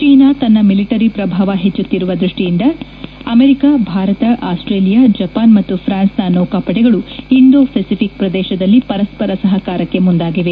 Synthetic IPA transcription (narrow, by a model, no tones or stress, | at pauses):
t͡ʃiːnaːt̪ɐnːɐmiliʈɐɾipɾɐbʱaːʋɐɦet͡ʃːut̪ːiɾuʋɐd̪ɾuʂʈijind̪ɐ | ɐmeɾikabʱaːɾɐt̪ɐʔaːsʈɾeːlijad͡ʒɐpaːnmɐt̪ːupʰɾaːnsnɐnoːkaːpɐʈɛɡɐɭuiɳɖ̪oːpʰesipʰik̚pɾɐd̪ɛːʃɐd̪ɐlːipɐɾɐspɐɾɐsɐɦɐkaːɾɐkːe̞mund̪aːɡiʋe̞